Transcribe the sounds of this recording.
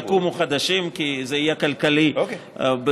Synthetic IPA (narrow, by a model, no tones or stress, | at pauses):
kumoχad̪aʃimkizeijekalkali | b